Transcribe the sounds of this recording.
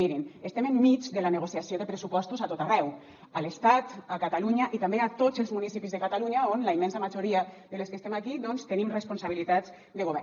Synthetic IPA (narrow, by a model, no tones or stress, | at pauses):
iɾinest̪ɛmemːid͡ʒd̪elaneɣosjasijoðepɾesupɔst̪uzat̪ot̪arɛw | alest̪at̪akat̪aluɲaʔit̪ambeat̪ozelzmunisipizðekat̪aluɲaonlaimːɛnsamaʒuɾiaðeleskest̪emakiðɔnst̪enimrespunsaβ̞ilit̪az | d̪eɣ̞oβɛ